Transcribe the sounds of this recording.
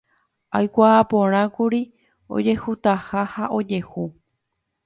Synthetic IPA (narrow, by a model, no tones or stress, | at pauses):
ajkʷaːpõɾ̃ãkuɾi | o̰d͡ʒe̞hut̪ahahaʔo̞d͡ʒe̞hu